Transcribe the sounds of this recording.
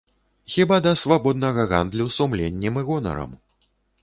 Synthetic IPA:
xʲibad̪ɐsvabɔd̪nɐɣɐɣa̰nd̪lʲuwsumlʲɛnʲːimɨɣɔnɐ̰ɾɐ̰m

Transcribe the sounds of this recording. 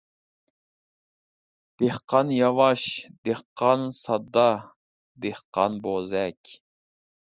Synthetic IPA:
d̪̥ehqɑnjɑvɑʃd̪eχqːɑnsɑd̪ːɑ | d̪ehqɑ̰nbozɛkʲ

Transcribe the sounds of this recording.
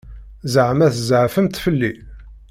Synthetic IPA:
zəʕmæθzəʕfəmt̪fəlːi

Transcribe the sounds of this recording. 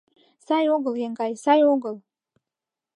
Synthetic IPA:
sɑjoɡəlˠjeŋɡɑjsɑjoɡəlˠ

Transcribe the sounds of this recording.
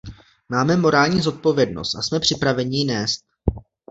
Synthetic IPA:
maːmɛmo̞ɾaːlɲiːzo̞t̪̚po̞vjɛdno̞̰st̪ʔasmɛpr̝̥ɪpɾavɛɲɪnɛːst̪̚

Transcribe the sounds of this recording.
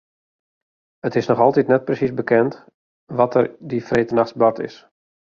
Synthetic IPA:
ətɪsnɔxɔlˠtitnɛt̚prəsisbəkɛnt | ʋɔtʰərdifreːtənaxsbɔtɪ̰s

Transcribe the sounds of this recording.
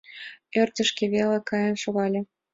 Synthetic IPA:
ørt̪ʲə̆ʃkeβelekɑjɤ̆nʃoɣɑlʲĕ

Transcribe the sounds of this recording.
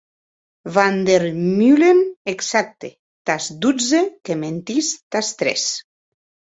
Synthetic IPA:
vand̪eɾmyleneksak̚t̪e | t̪asd̪ud͡zekement̪ist̪ast̪ɾḛs

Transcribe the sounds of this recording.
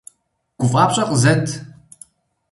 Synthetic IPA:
ɡ̥ʷʊfʼapɕʷʼɐqʼzɐtʰ

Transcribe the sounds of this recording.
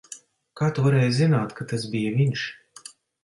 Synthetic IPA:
kaːt̪uvaɾɛːjzinaːt̪kat̪asbijavʲinʃ

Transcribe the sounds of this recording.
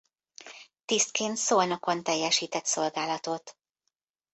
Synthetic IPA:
t̪ist̪̚keːnt̪solnokont̪ɛjːɛʃiːt̪ɛt̪so̞lɡaːlɒt̪o̞t̪

